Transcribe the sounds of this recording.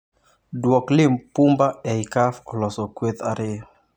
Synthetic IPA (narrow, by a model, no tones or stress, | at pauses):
dwɔklɪmpumbaɛikafɔlɔsɔkwet̪aɾe